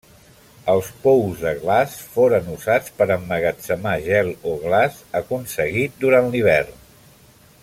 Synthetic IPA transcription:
əlˠspɔwzðəɣlasfoɾənuzat͡spəɾəmːəɣət͡səmaʒɛlˠoɣlazəkunsəɣit̪̚d̪uɾanliβ̞ɛrn

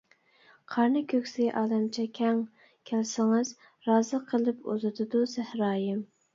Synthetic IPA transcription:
qʰɑɾnɨkʲʰøkʲsɪʔɑːlɛmt͡ʃʰɛkʲʰɛŋ | kʲʰælɪsɪŋɨz | ɾɑːzɨqʰəlˠɨpṵzɨt̪ʰɨd̪usæhɾɑːjɪm

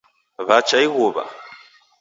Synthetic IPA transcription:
βat͡ʃaiɣuβa̰

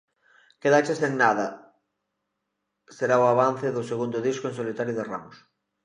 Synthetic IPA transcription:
keðat͡ʃeseŋnaðɐ | seɾaoaβ̞anθɪðʊseɣund̪ʊðiskʊẽnsolit̪aɾjoðera̰mʊs

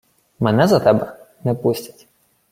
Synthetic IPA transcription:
mɛnɛzɐt̪ɛbɛ | nɛpusʲtʲḁtʲ

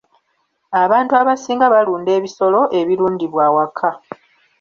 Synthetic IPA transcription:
aβaːntuaβasiːŋɡaβaluːnde̞ːβiso̞lo̞ʔe̞βiɾuːndiβwaːwakʰːa

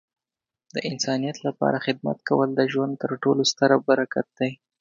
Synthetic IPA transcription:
d̪əʔɪnsɑnijat̪lapɑ̰ɾaxɪd̪̚ma̰t̪kawəld̪əʒwand̪̚t̪əɾʈolost̪əɾabaɾakat̪̚d̪aj

